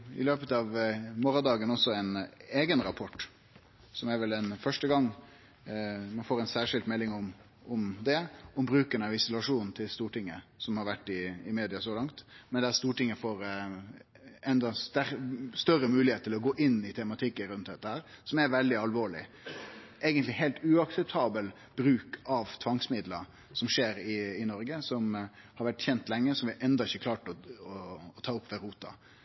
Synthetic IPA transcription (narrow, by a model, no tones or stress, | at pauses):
ɪ̰løːpət̪ɑʋmoːɾɑd̪ɑːɡənɔsːɔɛneːɡənɾɑpʰɔʈː | sɔmɛɾʋɛlɛnfœʂʈəɡɑŋː | mɛnfoːɾɛɪnsæːɾʂɪlt̪mɛlːɪŋɔm | ɔmd̪ɛɔmbɾʉːkənəʋɪsʊlɑʂuːnn̩t̪ʰɪlst̪uːʈɪŋːə̰sɔmhɑɾʋæʈːɪɪmeːd̪ɪɑsɔlɑŋt̪mɛnd̪ɛæst̪uːʈɪŋːəfoːɾ | ɛnd̪ɑd̪ææɾst̪œɾːəmʉːlɪheːt̪ʰːɪlɔɡoːʔɪnːɪt̪ʰɛmɑt̪ʰɪkːəɾʉnt̪̚d̪ɛt̪ːəhæːɾsɔmæɾʋɛld̪ɪɑlʋoːɭɪ̰ | ʔeːɡənt̪lɪɦɛɪlt̪ʉɑksɛp̚t̪ʰɑːbəl | b̥ɾʉːkʰɑʋt̪ʰʋɑŋsmɪd̪lə | sɔmʂeːɾɪɪnɔɾɡəsɔm | hɑɾʋæʈːçɛnt̪lɛŋːəsɔmʋɪʔɛnd̪ɑɪçəkʰlɑːʈɔɔːt̪ʰɑːʊpːʋɛɾuːt̪ɑ̰